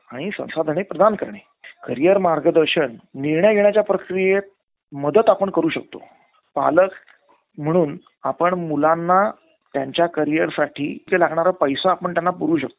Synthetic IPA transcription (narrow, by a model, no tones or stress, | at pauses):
aɽ̃isə̰̃w̃sad̪ʱəɳepɾəd̪ankəɾɳe | kəɾijəɾmaɾɡəd̪əɾɕəɳniɾɳəjɡeɳ̃jat͡ɕjapɾəkɾijet̪̚ | məd̪ət̪apəɳkəɾuːɕək̚t̪o̰ | pa̰lək | m̤əɽ̃uːn | apəɳmulanːa | t̪jaɲt͡ɕjakəɾijəɾsaʈʰiːkelaɡɳaɾəpəjsãapəɳt̪janːapuɾuːɕə̰k̚t̪o